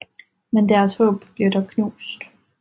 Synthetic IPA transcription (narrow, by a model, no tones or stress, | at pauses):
mend̥æɐshɔ̰̽ːb̥b̥liɐdɒkʰnṵːsd̥